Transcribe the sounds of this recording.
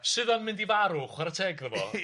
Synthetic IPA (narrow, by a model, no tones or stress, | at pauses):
sɨðɔnmɪndivaɾʊχwaɾətʰɛɡðəvɔ̰